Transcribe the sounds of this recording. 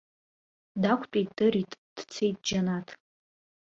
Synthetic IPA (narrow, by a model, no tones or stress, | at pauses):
dakʷʰʼpʼit̚dɨɾitʼd̥t͡sʰejt̚ʼd͡ʒanatʰʼ